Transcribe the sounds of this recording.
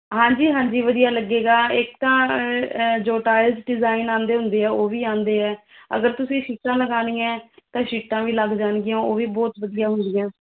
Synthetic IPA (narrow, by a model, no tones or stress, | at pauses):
ɦãːɲd͡ʒiːɦãːɲd͡ʒiːʋəd̪ijaːləɡːeːɡaːɪkt̪ãː | d͡ʒoːʈaːɪlsɖɪzaːɪnaːnd̪eːɦʊ̃nd̪eːɛːoːʋiːãːnd̪eːɛːə̰ɡəɾt̪ʊsĩːʃiːʈãːləɡaːniːɛ̃ːt̪ãːʃiːʈːãːʋiːləɡd͡ʒaːnɡɪjãːoːʋiːbɔːt̪ʋəd̪ɪjaːɦʊnd̪ɪjãː